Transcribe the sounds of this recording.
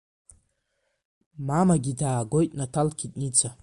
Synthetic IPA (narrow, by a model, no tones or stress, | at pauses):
mamaɡʲidaːɡo̞jtʼnatʰalkʲʰitʼnit͡sʰa